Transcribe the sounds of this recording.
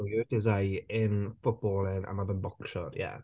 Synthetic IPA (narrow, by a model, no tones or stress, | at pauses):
jəd̥ɪzajɪnfʊt̚b̥ɔlˠɪna̰mabənbɔkʃɔrjɛ̰